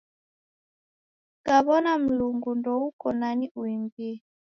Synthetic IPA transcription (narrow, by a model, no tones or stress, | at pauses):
kaβɔnam̩luŋɡundɔukɔnaɲiʔuimbi